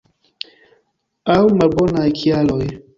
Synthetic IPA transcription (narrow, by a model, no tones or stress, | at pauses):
aumabɔnakʰialɔe